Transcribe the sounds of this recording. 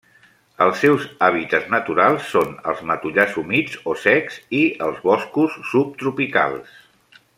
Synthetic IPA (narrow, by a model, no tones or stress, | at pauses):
əlˠsːɛwzaβ̞it̪əznət̪uɾalˠsːonə̰lˠzmət̪uʎazumid͡zosɛksiəlˠzβɔskusːup̚t̪ɾupika̰lˠs